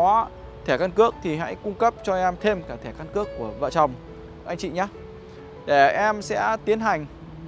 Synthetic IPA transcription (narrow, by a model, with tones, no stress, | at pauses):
aː˨˦ | t̪ʰɛ˧˩kə˧nkɨ˦˥ək̚t̪ʰi˨˩ɦa̰˧˥jkʊ˧ŋ͡mkə˦˥p̚t͡ɕɔ˧ʔɛ˧mt̪ʰe˧mkaː˧˩t̪ʰɛː˧˩kə˧nkɨ˦˥əkːu˧˩əvə̰ː˧˨t͡ɕɔ˨˩wŋ͡m | ʔa˧jŋ̟t͡ɕḭ˧˨ɲaː˨˦ | ɗe˧˩ʔɛ˧msɛ̰˧˥t̪i˨˦ənɦa˨˩jŋ̟